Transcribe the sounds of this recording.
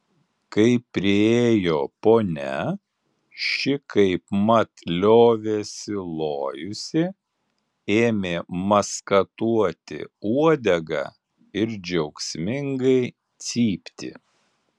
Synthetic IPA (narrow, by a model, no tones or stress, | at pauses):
kɐɪpʲːɾʲɪeːjoːpoːnʲɛ̰ | ʃʲɪkɐɪpmɐt̪lʲoːʋʲeːsʲɪlˠoːjʊsʲɪ | eːmʲeːmɐskɐt̪uɔt̪ʲɪ̰uɔd̪ʲɛɡɐ̰ | ɪɾd͡ʒʲɛʊksʲmʲɪŋɡɐɪ | t̪sʲiːpʲt̪ʲɪ̰